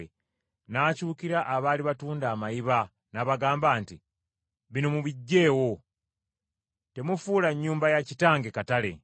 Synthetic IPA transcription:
e | naːcuːkiɾaʔːβaːliβatuːndaːmajiβa | naβaɡaːmbaːnti | βino̞muβiɟːe̞ːwo̞ | te̞mufuːlaɲːuːmbajacitaːŋɡekatale̞̰

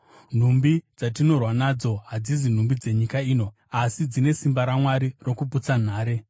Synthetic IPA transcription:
n̤umbid͡zat̬ino̞rwanad͡zo̞ɦad͡zizin̤umbid͡ze̞ɲikaiːno̞ | asid͡zine̞simbaɾamwaɾiro̞kuput͡san̤aːɾe̞

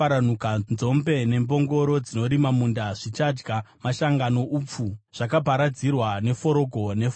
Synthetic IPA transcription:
aɾan̤ukanzo̞mbe̞ne̞mbo̞ŋɡo̞ɾo̞d͡zino̞ɾimamundaʐit͡ʃad͡ʒɡamaʃaŋɡano̞ʔuːp͡fuʐ̥akabʱaɾad͡zirwane̞fo̞ɾo̞ɡʱo̞ne̞f

